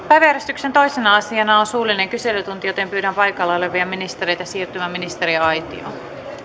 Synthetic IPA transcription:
pæjʋæjæɾest̪yksent̪o̞jsenɑɑsiɑnɑonsuːline̞ŋkyse̞lyt̪unt̪ijo̞t̪e̞mpyːdæmpɑjkɑlːɑoleʋʋiɑmːinist̪eɾe̞jt̪ɑsiːrt̪ymæminist̪e̞ɾiɑjt̪ḭo̰

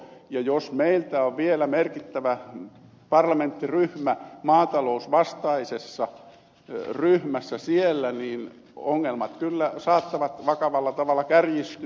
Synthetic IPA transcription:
jɑjosmeilt̪æoʋʋielæmerkit̪ːæʋæ | pɑrlɑment̪ːiryhmæmɑːt̪ɑlousʋɑst̪ɑisesːɑ | ryhmæsːæsielːæniːn | oŋːelmɑt̪kylːæsɑːt̪ːɑʋɑt̪ʋɑkɑʋɑlːɑt̪ɑʋɑlːˑɑkærjist̪y

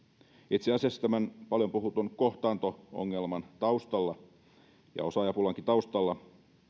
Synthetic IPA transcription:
it̪siɑsiɑsːt̪æmænpɑljompuhut̪onkoht̪ɑːnt̪oo̰ŋːelmɑnt̪ɑust̪ɑlːɑ | jɑ̰o̞sɑjɑpulɑŋkint̪ɑust̪ɑlːɑ

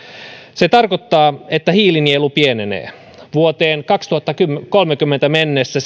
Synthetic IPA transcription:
set̪ɑrkot̪ːɑːet̪ːæhiːlinielupienenḛː | ʋuot̪eːŋkɑkst̪uhɑt̪ːɑkykolmekymːent̪æmenːesːæs

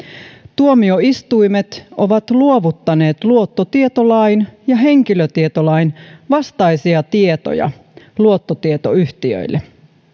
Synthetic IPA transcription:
t̪uomio̞ist̪ujmet̪ʔo̞ʋɑt̪luo̞ʋut̪ːɑne̞ːt̪luot̪ːot̪ie̞t̪olɑinjɑɦe̞ŋkiløt̪iet̪olɑjnʋɑst̪ɑjsiɑt̪iet̪o̰jɑ̰ | luot̪ːot̪iet̪o̞̰yht̪iø̰jlːe

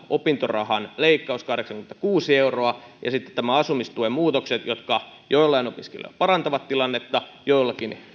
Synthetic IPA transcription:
ʔopint̪orɑ̰hɑnleikːɑuskɑhdeksɑŋkyment̪ækuːsieuroɑjɑ̰sit̪ːe̥t̪t̪æmæɑsumist̪uemuːt̪okset̪jot̪kɑ | joilˑːɑinopiskḛlø̰ˑpɑɾɑnt̪ɑʋɑt̪t̪ilɑnːet̪ːɑjoilːɑkin

